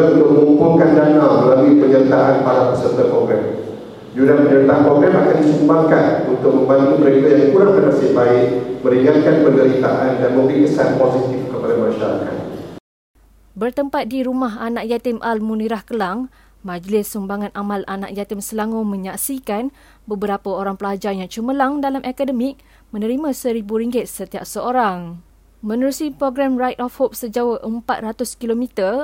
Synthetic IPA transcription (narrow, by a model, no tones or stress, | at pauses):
unt̪ʊk̚məəumpʊŋkandanalməlalipəɲərt̪aʔanpaɾapəsənt̪apɾoɡɾɛm | d͡ʒudapəɲəɾit̪aʔanpɾoɡɾɛmakandisumbaŋkanunt̪ʊk̚mə̃mbant̪iməɾekajaŋkuɾaŋbənasɪbaɪʔmə̃ɾiŋãt̪̚kanpəndəɾit̪a̰ʔandanmə̃ŋbikəsanposit̪ifkəpadamãʃaɾa̰ka̰n | bərt̪əmpat̪̚diɾumaɦanak̚jat̪ɪmʔalmũniɾahkəlaŋ | mãd͡ʒlɪsːumbaŋãnʔamalana̰ʔ̚jat̪ɪmsəlaŋomə̃ɲaksikan | bəbəɾapəoɾaŋpəlad͡ʒajaŋt͡ʃuməlaŋdalamʔakadəmɪk̚ | mə̃nəɾimãsəɾibuɾiŋɡɪt̪̚sət̪ia̰p̚səoɾaŋ | mə̃nəɾusipɾoɡɾamrajt̪̚ɔfhop̚səd͡ʒawəʔəmpat̪̚rat̪ʊskilomit̪ə